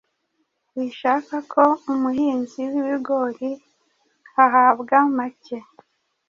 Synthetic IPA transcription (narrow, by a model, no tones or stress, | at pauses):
wiʃaːkakʰo̞umuhiːnziwiβiɡo̞ɾi | aɦaːbɡamace